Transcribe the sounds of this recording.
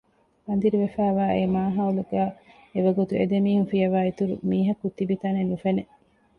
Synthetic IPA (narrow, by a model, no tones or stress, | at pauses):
bɐnd̪iɾiʋefæːʋæːemaːɦɐuluɡæː | eʋɐɡut̪uʔḛd̪emiːhunfijɐʋæːit̪uɾṵmiːɦɐkːut̪ːibit̪ɐnenufene